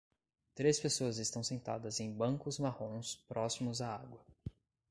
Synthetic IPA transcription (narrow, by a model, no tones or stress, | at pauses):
t̪ɾespesoɐzɪst̪ɐ̃w̃sẽnt̪a̰d̪ɐzẽj̃bɐ̃ŋkʊzmahõspɾɔsimʊzaaɡwɐ